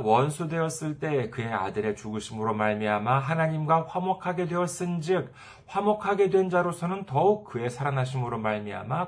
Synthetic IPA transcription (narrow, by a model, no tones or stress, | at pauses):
wʌnsʰudwe̞ʌs͈ɯɭt͈e̞kɯe̞a̰dɯɾe̞t͡ɕuɡɯɕʰimɯɾomaɭmiamaɦanaɲimɡwaɸwamʌkʰaɡe̞dwe̞ʌs͈ɯnd͡ʑik̚ | ɸwamʌkʰaɡe̞dwe̞nd͡ʑaɾosʰʌnɯntʌuk̚k͈ɯe̞sʰaɾanaɕ̬ʰimɯɾomaɭmia̰ma